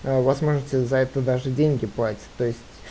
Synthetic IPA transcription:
əvasmo̞ʐɨtʲɪzɐɛt̪əd̪aʐɨdʲenʲɡʲɪplˠatʲɪ̥tʲt̪ːo̞ɪsʲttʲ

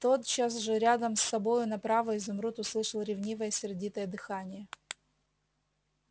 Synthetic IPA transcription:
t̪o̞t̪t͡ɕas̬ʐɨɾʲad̪əmsːɐbo̞jʊnɐpɾavəɪzʊmɾut̪ʊslˠɨʂəlˠɾʲɪvnʲivəjəsʲɪrdʲit̪əjəd̪ɨxanʲɪjə

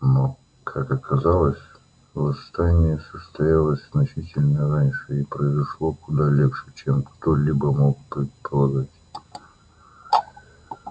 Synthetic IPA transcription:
no | kʰakɐkʰɐzalˠəsʲ | vˠɐst̪anʲɪjəsəst̪ɐjalˠəsʲz̥nɐt͡ɕitʲɪlʲnəranʲʂɨipɾəɪzɐʂlˠo̞kʊd̪alʲepʂɨt͡ɕemkt̪olʲibəmo̞k̚pɪpəɾˠɐd̪atʲ

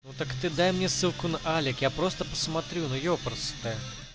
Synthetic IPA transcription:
nut̪ɐkt̪ɨd̪ajmnʲɛsɨlˠkʊnɐʔalʲɪkjapɾɔst̪əpə̥smat̪ɾʲunujɔpɾɐst̪ɛ

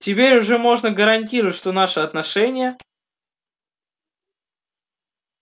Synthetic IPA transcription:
tʲɪpʲeɾʲʊʐɛmo̞ʐnəɡəɾɐnʲt̬ʲiɾəvətʲʂt̪o̞naʂɨɐt̪nɐʂɛnʲɪjə

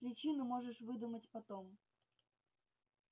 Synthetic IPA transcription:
pɾʲɪt͡ɕinʊmoʐɨʂvɨd̪umətʲpɐt̪om

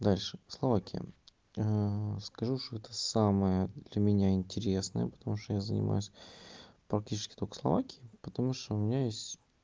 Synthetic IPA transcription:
d̪alʲʂɨslˠɐvakʲʰɪjə̰ | əskɐʐuʂt̪oɛt̪əsaməjəd̪lʲɐmʲɪnʲaɪnʲtʲɪɾʲe̞snə̰jə̰pə̥t̪ɐmuʂt̪ojazənʲɪ̰mʔa̰jʊsʲ | pɾɐk̚tʲit͡ɕɪ̥skʲɪ̥t̪okə̥slˠɐ̰vakʲɪɪpət̪ɐmuʂt̪oʊmʲɪnʲajesʲtʲ

